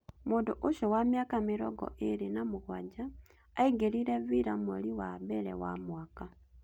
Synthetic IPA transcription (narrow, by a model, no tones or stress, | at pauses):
munduʔuʃowamjakamiɾoɡo̰ʔiɾinamuɣwaɟaː | iɡeliɾeβiɾamoliwabeɾḛwa̰mwaːka